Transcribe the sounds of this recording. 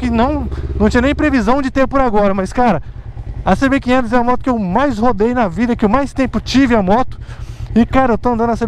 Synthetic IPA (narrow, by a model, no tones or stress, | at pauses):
kɪnɐ̃w̃nɐ̃w̃t͡ʃĩɲɐnẽj̃pɾevizɐ̃w̃d͡ʒɪt̪eɾpʊɾaɡɔɾɐmɐskaɾɐɐsebekĩẽnt̪ʊzɛamɔt̪ʊ̥kɪewmajshod̪ejnɐvid̪ɐkɪʊmajst̪ẽpʊt͡ʃivɪamɔt̪ʊ̥ɪkaɾɐewt̪oɐ̃nd̪ɐ̃nɐse